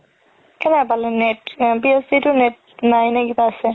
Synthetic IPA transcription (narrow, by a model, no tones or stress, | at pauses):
kɛnɛpalɛnɛtbiɛsditʊnet̚ | najnɛɡitaːsɛ